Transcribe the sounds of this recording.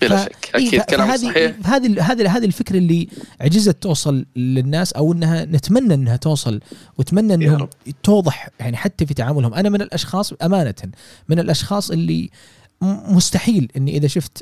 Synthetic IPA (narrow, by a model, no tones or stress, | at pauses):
faʔiːaɦaːðihaːðiɦaːðiɦaːðilfɪkɾʔlːiʕd͡ʒɪzat̪ːuːsˤɑlːɪnːaːsʔawʔɪnːhanɪt̪manːaʔɪnːhat̪uːsˤɑlwɪt̪manːaʔɪnːhʊmt̪uːðˤɨħjaʕniħat̪ːafit̪aʕaːmʊlhʊmʔanamɪnɪlʔɑʃxɑːsˤʔamaːnat̪ | mɪnɪlʔɑʃxɑːsˤʔɪlːḭ | mʊst̪aħiːlʔɪnːiʔɪðaʃʊft̪